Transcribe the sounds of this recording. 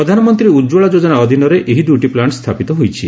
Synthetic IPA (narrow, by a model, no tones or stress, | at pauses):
ɾɔd̪ʱanɔmɔnt̪ɾiud͡ʒoɭad͡ʒod͡ʒɔnaɔd̪ʱinɔɾeʔeɦid̪juʈiplaɳst̪ʰapit̪ɔɦojt͡ʃʰi